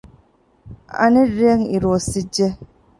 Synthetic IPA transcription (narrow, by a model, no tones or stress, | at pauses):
a̰niɾeŋiɾosid͡ʒe